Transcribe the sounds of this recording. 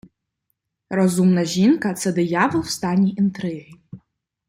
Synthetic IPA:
razumnaʒinkʰʼat͡sʰadɨjavɨlstʰanʲiʔintʰrɨʕʷi

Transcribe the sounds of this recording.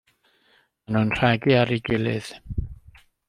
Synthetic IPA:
manunr̥aɡɨaɾiɡɪlˠɨð̥

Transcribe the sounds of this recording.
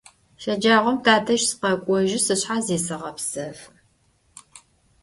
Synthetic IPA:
ʃɐd͡ʒaːʁʷɔmtʰaːtʰɐʃsɨ̥qɐkʷʼɔʒɪsɨɕħazeːsɨʁɐpsɐf

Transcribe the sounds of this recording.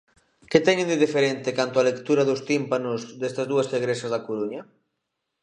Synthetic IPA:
kɪt̪ɛɲɪ̃nd̪ɪðifeɾent̪ɪkant̪ʊalekt̪uɾɐðʊst̪impanʊzðest̪ɐzðuɐseɣɾesɐzðɐkoɾuɲɐ

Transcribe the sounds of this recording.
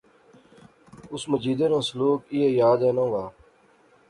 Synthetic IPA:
ʊsməd͡ʒiːd̪ẽːnãːsəluːkiːɦeːjaːd̪ẽːnãːʋaː

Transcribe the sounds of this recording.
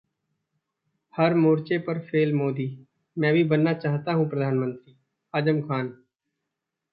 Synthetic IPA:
həɾmoːɾt͡ʃepəɾfʰeːlmoːd̪iː | mɛ̃ːbʱibənːat͡ʃaːɦt̪aɦũpɾəd̪ʱaːnmə̃nt̪ɾiː | aːd͡ʒəmkʰaːn

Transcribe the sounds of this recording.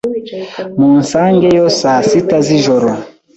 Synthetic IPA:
munsaːŋɡejosasitaziʒoɾo

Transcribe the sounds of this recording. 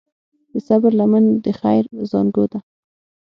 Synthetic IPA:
d̪̥əsabaɾlamand̪əxajɾzɑ̰nɡod̪a

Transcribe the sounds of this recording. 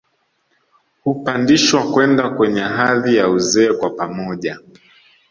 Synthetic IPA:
hupandiʃwakwɛndakwɛɲɛɦaðijauzɛːkwapamɔʄa

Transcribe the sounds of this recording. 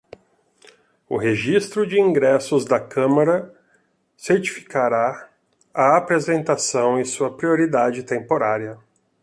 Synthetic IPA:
ʊ̰ɦeʒist̪ɾʊd͡ʒɪĩŋɡɾɛsʊzd̪ɐkʰɐ̃maɾɐ | seɾt͡ʃi̥fi̥kaɾa | ɐːpɾezẽnt̪asɐ̃w̃ɪsuɐpɾioɾid̪ad͡ʒɪt̪ẽmpoɾaɾiɐ

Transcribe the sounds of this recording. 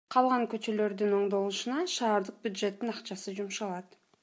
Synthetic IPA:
qʰɑlˠʁɑŋkø̞t͡ʃø̞lø̞ɾd̪yno̞ɴd̪o̞lˠuʃunɑʃɑːɾd̪əq̚bʲjud̪ʒe̞t̪ːinɑqt͡ʃɑsɯd͡ʒumʃɑlˠɑt̪

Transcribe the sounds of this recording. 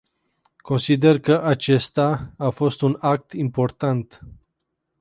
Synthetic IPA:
ko̞nsid̪e̞rkəʔat͡ʃe̞st̪aːfo̞st̪unak̚t̪impo̞rt̪ant̪

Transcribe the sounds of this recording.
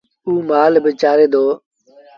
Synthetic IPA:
uːmaːlbɪt͡ʃaːɾeːd̪oː

